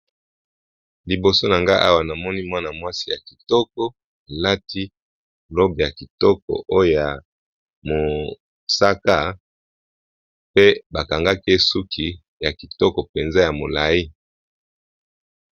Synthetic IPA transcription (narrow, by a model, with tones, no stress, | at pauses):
li˨bo˨so˦na˨ŋɡa˦ʔa̰˦wa˨na˨mɔ˦ni˦mwa˦na˨mwa˦si˦ja˨ki̥˨tɔ˦k̚ɔ˦˨ | la˦ti˦ | lo˦be˨ja˨ki˨tɔ˦kɔ̰˨ʔo˦jo˦˨ja˨ | mo˨ | sa˦ka˦˨ | pe˦ba˨ka˨ŋɡa˦ke˦su˦kʰi˨ | ja˨ki˨tɔ˦kɔ˨pe˨nza˦ja˨mo˨la˨ji˦